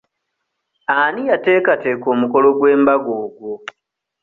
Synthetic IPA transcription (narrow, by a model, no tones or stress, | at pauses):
anijate̞ːkate̞ːko̞ːmuko̞lo̞ɡwe̞ːmbaɡo̞ːɡwo